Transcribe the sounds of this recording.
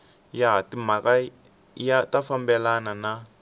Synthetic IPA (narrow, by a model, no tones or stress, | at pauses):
jaɦatimaka | jatafambɛlanana